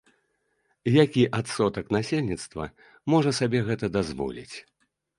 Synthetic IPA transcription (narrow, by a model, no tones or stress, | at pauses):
jakʲiʔat̪sɔt̪ɐknasʲelʲnʲit̪st̪vɐ̰ | mɔʐɐsabʲɛɣɛt̪ɐd̪azvɔ̰lʲḭt͡sʲ